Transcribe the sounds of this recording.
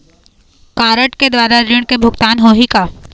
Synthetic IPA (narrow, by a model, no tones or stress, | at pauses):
kaːɾəʈked̪waːɾaɾɪɽ̃kebʱʊkt̪aːnɦoːɦikaː